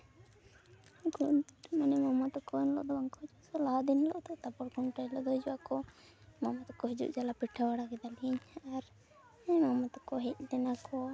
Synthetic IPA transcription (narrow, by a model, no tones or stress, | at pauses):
ɡunmanɛmamat̪ɔkɔɛnlɔ̰ʔd̪ɔbaŋkɔɦid͡ʒuasɔlaɦad̪inlɔʔd̪ɔʔt̪apɔɽɡuɳʈajlɔʔd̪ɔɦd͡ʒuwakɔ | mamat̪ɔkɔɦid͡ʒṵʔd͡ʒalapiʈʰːawaɽakɛd̪aliɲaɾ | mamat̪ɔkɔɦɛc̚t̪ɛnakɔ